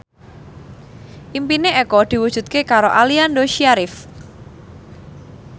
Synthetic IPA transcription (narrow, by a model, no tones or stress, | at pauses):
ʔimpineɛkɔd̪̥i̤wu̥ʒ̥ṳt̪̚kekaɾoʔaliandoʃiaɾɪf